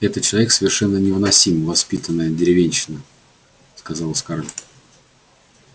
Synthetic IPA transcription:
ɛt̪ət̪̚t͡ɕɪlˠɐvʲeksəvʲɪrʂɛnːənʲɪvɨnɐsʲimvɐspʲit̪ənːəjədʲɪɾʲɪvʲenʲɕɪnə | skɐzɑlˠəskaɾlʲ

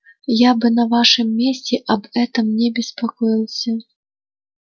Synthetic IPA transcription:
jabɨnɐvaʂɨmːʲesʲt͡sʲɛʔɐbɛt̪ɐmnʲɛbʲɛspakɔjilˠsʲɐ

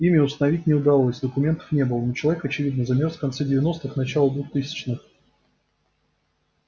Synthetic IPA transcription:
imʲɪʊst̪ənɐvʲit̚ʲnʲɪʊd̪ɐlˠosʲd̪əkʊmʲent̪ə̥fnʲe̞bɨlˠənot͡ɕɪlˠɐvʲekɐt͡ɕɪvʲid̪nɨzɐmʲerfkɐnt̪sɛdʲɪvʲɪno̞st̪ɨxnɐt͡ɕalˠəd̪vuxt̪ɨsʲɪ̥t͡ɕnɨx

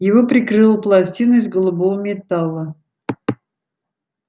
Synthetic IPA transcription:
jɪvopɾʲɪkɾɨlˠəplˠɐsʲtʲinəɪzɡəlˠʊbovəmʲɪt̪alˠə

